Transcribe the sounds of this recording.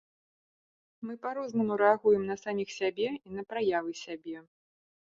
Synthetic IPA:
mɨpaɾɔznɐmuɾɛaɣujɛmnɐsamʲixsʲabʲɛinɐpɾajavɨsʲabʲɛ

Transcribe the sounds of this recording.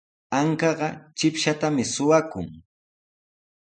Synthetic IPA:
aŋkɑɢɑt͡ʃɪpʃat̪amɪsʊwakʊ̰ŋ

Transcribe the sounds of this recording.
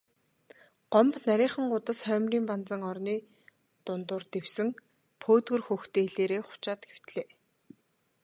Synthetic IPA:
ɢ̥ɔmpnaɾʲiːχə̆ŋʊt̪ə̆sχœːmʲriːmpant͡sə̆ŋɔrniː | t̪ʊnt̪ʊːrt̪ewsɘ̆ŋ | pʰoːt̪ɡɵ̆rxuxt̪eːɮeːɾeːχʊ̥t͡ɕaːt̪ɡew̥t̪ɮeː

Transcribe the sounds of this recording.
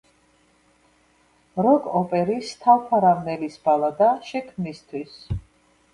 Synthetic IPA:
ɾɔɡɔpʼɛɾist̪ʰalpʰaɾavnɛlisb̥alˠad̪aʃɛkʰmnist̪ʰwis

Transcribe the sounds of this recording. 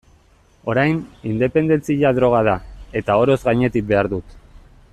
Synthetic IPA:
o̞ɾajnind̪e̞pe̞nd̪ent͡siʎaðɾo̞ɣ̞aðae̞t̪ao̞ɾo̞zɣajɲe̞t̪ik̚be̞aɾðut̪

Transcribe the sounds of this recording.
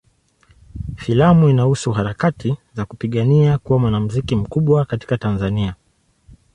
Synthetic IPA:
filamuinahusuɦaɾakatʰizakupiɠaniakuwamwanam̩zikim̩kuɓwakati̥katanzania

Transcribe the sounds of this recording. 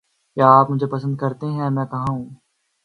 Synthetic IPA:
kjaːpmʊd͡ʒʱepɐs̬ə̃nd̪̚kɐɾt̪eɦɛ̃ːmɛ̃ːkɐɦãɦũː

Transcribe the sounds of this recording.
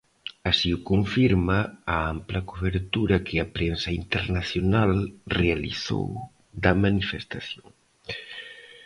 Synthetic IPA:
asiukoɱfiɾmɐːamplɐkuβeɾt̪uɾɐkɪɐpɾensɐint̪eɾnaθjonalrealḭθo̰w | ðɐmanifest̪aθjoŋ

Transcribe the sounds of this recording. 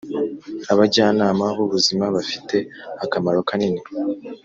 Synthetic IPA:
aβaɟaːnaːmaβuβuzimaβafi̥te̞akamaɾo̞kanini

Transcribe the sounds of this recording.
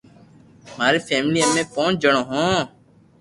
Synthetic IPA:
maːɾeːfʰeːmliːəmẽːpõːnd͡ʒəɳõːɦõː

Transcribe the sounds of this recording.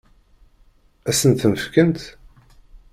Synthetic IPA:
æsənt̪məfkənt̪

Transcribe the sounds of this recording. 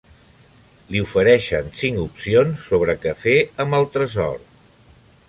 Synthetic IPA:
liufəɾɛʃənsiŋkupsionsːoβ̞ɾəkəfeəməlˠt̪ɾəzɔ̰ɾ

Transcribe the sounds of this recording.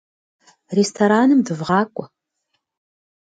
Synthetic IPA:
restʰoɾaːnɨmdɨvʁɑːkʷʼɔ

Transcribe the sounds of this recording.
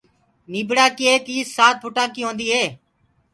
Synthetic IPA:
niːbɽaːkieːkiːsaːt̪̚bʰʊʈãːkiːɦõːnd̪iːɦeː

